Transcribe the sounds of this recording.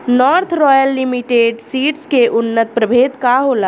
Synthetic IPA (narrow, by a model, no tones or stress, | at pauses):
nɔɾt̪ʰɾɔjəlːimiʈeːɖsiːʈskeʔʊnːət̪̚pɾəbʱeːd̪kaɦola